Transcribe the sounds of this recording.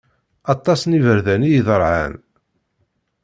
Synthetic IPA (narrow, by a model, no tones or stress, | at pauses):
ɑt̪ˤːɑsnivəɾðænijiðəɾˤʕa̰n